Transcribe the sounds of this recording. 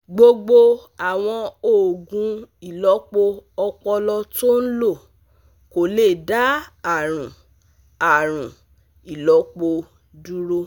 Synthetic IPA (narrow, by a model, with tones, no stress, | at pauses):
ɡ͡bo˧ɡ͡bo˧a˨w̃ɔ̃˧o˨ɡũ˧i˨lɔ˨˦k͡po˧ɔ˧k͡pɔ˧lɔ˧to˦n̩˦lo˦˨ | ko˨le˦˨da˦a˦˨ɾ̃ũ˨ | a˨ɾ̃ũ˨ | i˨lɔ˨˦k͡po˧ | du˦ɾo˧